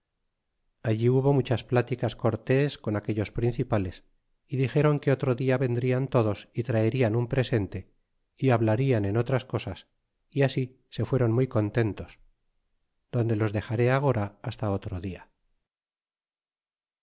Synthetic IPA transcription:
aʎiuβo̞mut͡ʃasplat̪ikasko̞ɾt̪e̞sko̞nakeʎo̞spɾinθipale̞s | iðixe̞ɾo̞ŋke̞o̞t̪ɾo̞ðiaβe̞nd̪ɾiant̪o̞ðo̞sit̪ɾaeɾianumpɾe̞se̞nt̪e̞ | iaβlaɾiane̞no̞t̪ɾasko̞sas | iasi | se̞fwe̞ɾo̞nmujko̞nt̪e̞nt̪o̞s | d̪o̞nd̪elo̞zðe̞xaɾe̞aɣ̞o̞ɾaːst̪ao̞t̪ɾoðia

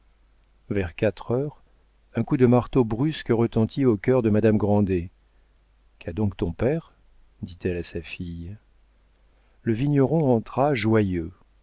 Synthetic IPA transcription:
vɛʁkat̪χœʁ | ɛ̃kud̪əmaʁt̪obʁyskəʁət̪ɑ̃t̪ʰiokʲœʁd̪əmad̪amɡʁɑ̃d̪e | kʰad̪ɔ̃kt̪ɔ̃pɛʁ | d̪it̪ɛlasafij | ləviɲɔʁɔ̃ɑ̃t̪χaʒwajø

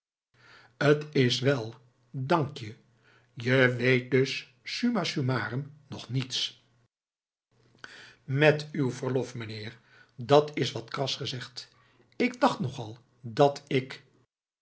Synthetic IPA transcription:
ətɪsʋɛlˠ | dɑŋkjə | jəʋejt̚dɵsː | ymasymaːrəmnɔχnits | mɛtywvəɹlɔfməneːɹ | dɑtʰɪsʋɑtkrɑsχəzɛχt | ɪɡ̚dɑχtnɔχɑlˠ | dɑtɪk

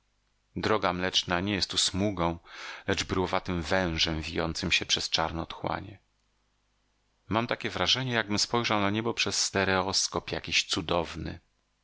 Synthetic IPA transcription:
d̪ɾɔɡamlɛt͡ʂnaɲɛjɛst̪ːusmuɡɔ̃w̃lɛd͡ʐbɘɾwɔvat̪ɘmvɛ̃w̃ʐɛmvʲijɔnt̪sɘmɕɛpʂɛst͡ʂaɾnɛt̪xwa̰ɲɛ | mamt̪akʲɛvɾaʐɛɲɛjaɡ̚bɘmspɔjʐawnaɲɛbɔpʂɛsːt̪ɛɾɛɔskɔpjakʲiɕt̪sud̪ɔvnɘ̰

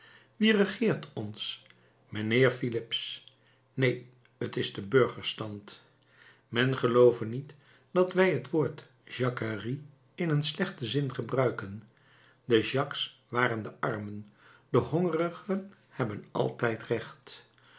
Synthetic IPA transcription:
ʋirəχɪːɹtʰɔns | məneːɹfilɪps | nej | ətɪzdəbøɹχəɹstɑnt | mɛnχəlowvənit | d̥ɑtʋɛjɦətʋʊːɹt | ʒ̥ɑkəri | ɪnənslɛχtəzɪnχəbrœɥkən | dəʒɑksʋaːrəndəʔɑɹmənd̥əɦɔŋərəχən | hɛbənɑ̰lˠtɛjtrɛχt

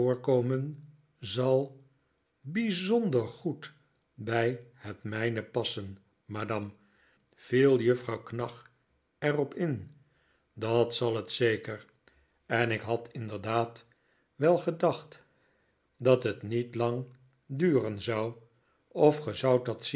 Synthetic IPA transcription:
ʊːɹkoːmən | zɑlˠ | bizɔndəɹχut | bɛjhətmɛjnəpɑsən | maːdɑm | v̥ilˠjəfrɑwknɑχ | ɛrɔpɪn | dɑtsɑlˠətsejkəɹ | ɛnɪkɦɑtʰɪndəɹdaːt | ʋɛlˠχədɑχt | dɑtɦətnitlɑŋ | dyːrənzʌw | ɔfχəzʌwt̚ɑts

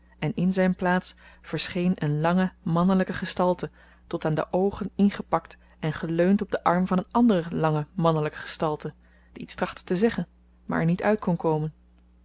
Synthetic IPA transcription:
ɛnɪnzɛjnplaːtsfəɹsχejnənlɑŋəmɑnələkəχəstɑlˠtə | tɔtaːndə̰ʔowχənɪnχəpɑkt | ɛnχəløɥntɔb̚dəʔɑɹmvɑnənɑndərəlɑŋəmɑnələkə̥χə̥stɑlˠtə | d̥iitstrɑχtə̥təzɛχən | ma̰ɹɛ̰ɹnitœɥt̚kɔnkowmən

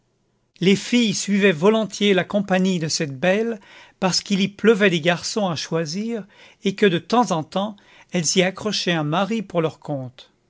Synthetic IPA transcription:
lefijsɥivɛvɔlɔ̃t̪jelakɔ̃paɲid̪əsɛt̪̚bɛl | paʁsə̥kilipləvɛd̪eɡaʁsɔ̃aʃwaziːʁ | ekəd̪ət̪ɑ̃zɑ̃t̪ɑ̃ | ɛlziakχɔʃɛɛ̃maʁipuʁlœʁkʰɔ̃t̪

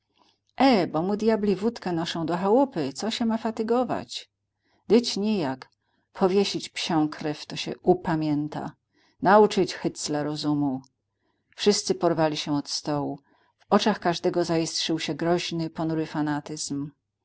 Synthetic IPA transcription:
ʔɛbɔmud̪jablʲivut̪kɛnɔʂɔ̃w̃d̪ɔxawupɘt̪sɔɕɛmafat̪ɘɡɔva̰t͡ɕ | d̪ɘt͡ɕɲɛjak | pʰɔvʲjeɕit͡ɕpɕɔ̃w̃kʰɾɛft̪ɔɕɛ̰upamʲjɛnt̪a̰ | naut͡ʂɘt͡ɕxɘt̪slɛɾɔzumu | fʂɘst̪sɘpɔɾvalʲiɕɛɔt̪st̪ɔwu | vɔt͡ʂaxkaʐd̪ɛɡɔzajistʂɘwɕɛɡɾɔʑnɘpɔnuɾɘfanat̪ɘz̥m

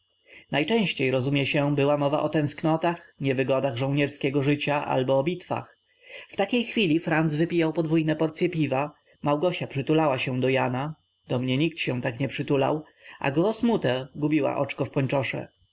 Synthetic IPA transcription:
najt͡ʂɛ̃ɕt͡ɕejɾɔzumʲjɛɕɛbɘwamɔva̰ʔɔt̪ɛ̃w̃sknɔt̪axɲɛvɘɡɔd̪aɣʐɔ̃wɲɛɾskʲɛɡɔʐɘt͡ɕaʔa̰lbɔːbʲit̪fa̰x | ft̪akʲejxfʲilʲifɾand̪zvɘpʲijawpɔd̪vujnɛpɔɾt̪sjɛpʲiva | mawɡɔɕapʂɘt̪ulawaɕɛ̃d̪ɔjana | d̪̥ɔmɲɛɲik̚t̪ɕɛ̃t̪akɲɛpʂɘt̪ula̰w | ʔa̰ɡɔsmut̪ɛɡubʲiwa̰ʔɔt͡ʂkɔfpɔɲt͡ʂɔʂɛ̰

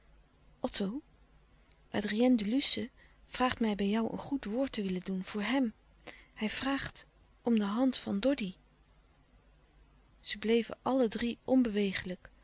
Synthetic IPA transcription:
ʔɔtʰow | ʔaːdriɛndylysəv̥raːχtmɛjbɛjɔwʔə̰nχutʋʊːɹtəʋɪləndunv̥ʊːɹɦɛm | hɛjv̥raːχt | ʔɔmdəɦɑntfɑndɔdi | z̥əblejvə̰ʔɑlədriʔɔnbəʋejχələk

